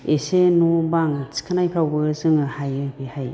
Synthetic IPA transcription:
esenubaŋsi̥kʰanajkʰawbɯzɯŋɯhajɯbehaj

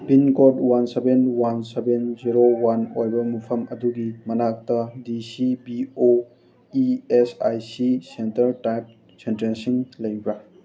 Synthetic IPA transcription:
binkodwansebenwansebenziɾowanojbɐmupʰɐmɐduɡimɐnak̚tɐdisibio | iesajsisentɐɾʈajp̚ | sentɾensiŋlɐjbɾa

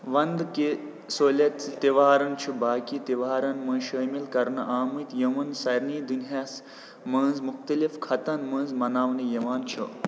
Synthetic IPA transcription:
ʋɐnd̪ke | soːlʲɐt͡sit̪iʋaːɾɐnt͡ʃʰubaːkit̪iʋaːɾɐnmɐ̃ːʃɐːmilkɐɾnɐʔaːmɨt̪jɐmɐnsɐɾniːd̪unɦjaːs | mɐ̃ːnzmuxt̪ɐlifkʰɐt̪ɐnmɐ̃ːnzmɐnaːʋnijɐʋaːnt͡ʃʰṵ

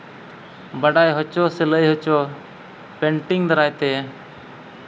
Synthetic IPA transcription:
baɖajɦɔt͡ʃɔsɛləjɦɔt͡ʃɔ | pɛɳʈiŋd̪aɾajt̪ɛ

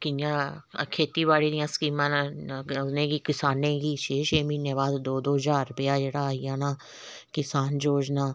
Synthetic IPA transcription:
kɪjãːkʰeːt̪iːβaːɽiːd̪ɪjãːsə̥kiːmãːn | nẽːɡiːkɪsaːnẽːɡiːt͡ʃeːʃeːmĩːneːbaːd̪d̪oːd̪oːɦzaːɾʊpɪjaːd͡ʒeːɽaːaːijãːnaː | kɪsaːnd͡ʒoːd͡ʒnaː

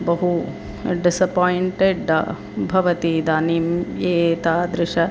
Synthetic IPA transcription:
bɐɦu | ɖisɐpojɳʈeɖɐ | bʱɐʋɐt̪id̪aːnimeːt̪aːd̪ɾɪʂɐ

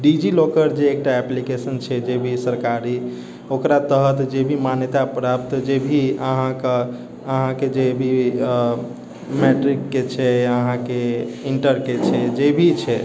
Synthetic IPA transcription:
ɖid͡ʒilokəɾd͡ʒeːk̚ʈaɛplikesənt͡ʃʰɛd͡ʒebʱisəɾkaɾi | okɾat̪əɦət̪d͡ʒebʱimanjət̪apɾap̚t̪d͡ʒebʱiəɦãk | əɦãked͡ʒebʱi | meʈɾikːet͡ʃʰɛəɦãkeiɳʈəɾket͡ʃʰɛd͡ʒebʱit͡ʃʰɛ

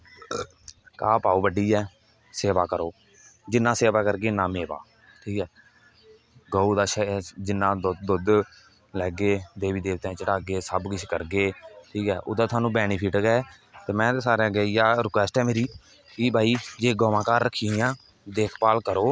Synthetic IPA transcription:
kaːpaːuːbəɖiːɛː | seːʋaːkəɾoː | d͡ʒɪnːãːseːʋaːkəɾɡeːnãːmeːʋa̰ː | ʈʰiːkɛː | ɡoːuːd̪aːʃəd͡ʒɪnːãːd̪d̪ʊd̪ | lɛːɡeːd̪eːʋiːd̪eːʋt̪ãːt͡ʃəʈaːɡeːsəbkɪt͡ʃʰkəɾɡeːʈʰiːkɛːʔʊ̰d̪aːt̪ʰaːnũːbɛːniːpʰɪʈɡɛː | t̪eːmɛ̃ːt̪eːsaːɾẽːɡəiːaːɾɪkʋɛːsʈɛːmeːɾiː | kibʱaːiːd͡ʒeːɡoːʋãːkaːɾːəkʰːĩːãː | d̪eːkʰpaːlkəɾoː

